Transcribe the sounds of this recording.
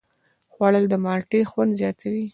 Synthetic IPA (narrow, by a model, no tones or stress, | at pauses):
xwaɽəld̪əmɑɾʈexwand̪zjɑt̪ʰawi